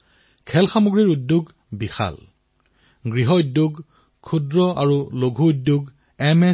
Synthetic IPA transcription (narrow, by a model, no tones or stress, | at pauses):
kʰɛlxamoɡɹiɹudːuɡ | bixʰa̰l | ɡɹiɦɔudjoɡ | kʰːudɹɔa̰ɹuloɡʱuudːuɡ | ɛmɛ